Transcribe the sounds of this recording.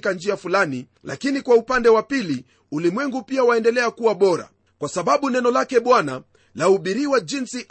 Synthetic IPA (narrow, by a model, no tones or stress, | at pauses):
kand͡ʒiafulani | la̰kinikwaupandɛwapili | ulimwɛŋɡupiawaɛndɛlɛakuwaɓɔɾa̰ | kwasaɓaɓunɛnɔlakɛɓwana | lauɓiɾiwaʄinsiʔ